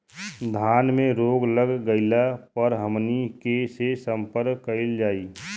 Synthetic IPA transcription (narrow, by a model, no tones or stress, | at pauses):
d̪ʱaːnmẽɾoːɡləɡːəɪlapəɾɦəmnikesesə̃mpəɾkːəɪld͡ʒaːiː